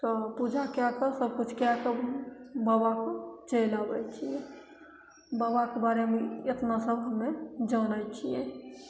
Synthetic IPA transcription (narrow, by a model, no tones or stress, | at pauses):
t̪ɔpud͡ʒʱakjakəsəbkut͡ʃʰkjakəbəbakt͡ʃəjlabɛt͡ʃʰie | bəbakebaɾemeet̪nasəbɦəmːed͡ʒənajt͡ʃʰijẽ